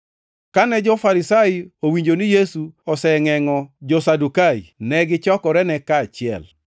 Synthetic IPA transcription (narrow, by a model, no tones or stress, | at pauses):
kanɛd͡ʒɔfaɾɪsaowiɲd͡ʒonɪjesuɔsɛŋɛŋɔd͡ʒɔsadukainɛɡɪt͡ʃɔkɔɾɛnɛkaːt͡ʃɪɛ̰l